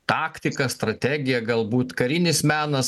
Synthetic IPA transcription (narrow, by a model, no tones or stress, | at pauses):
t̪ɑːkt̪ʲɪkɐst̪ɾɐt̪ʲæːɡʲɪjɛɡɐlˠbuːt̪kɐɾʲɪnʲɪsmʲæːnɐs